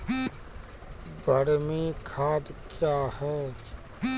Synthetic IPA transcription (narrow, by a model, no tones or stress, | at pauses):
bʱəɾmikʰaːd̪kjaːhɛː